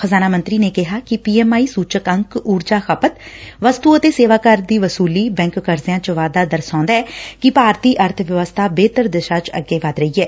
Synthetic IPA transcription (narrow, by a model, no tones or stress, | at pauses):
xəzaːnaːmənt̪ɾiːneːkɪɦaːkɪpiːɛːmaːiːsuːt͡ʃəkəŋkuːɾd͡ʒaːxʰəpət̪ʋəst̪uːət̪eːseːʋaːkəɾd̪iːʋəsuːliːbɛ̃ːŋkːəɾzɪjãːt͡ʃəʋaːd̪aːd̪əɾsãːnd̪aːɛːkɪpaːɾt̪iːʔəɾt̪ʰʋjəʋəst̪ʰaːbeːt̪əɾd̪ɪʃaːt͡ʃə̰ɡːeːʋəd̪ɾəiːɛː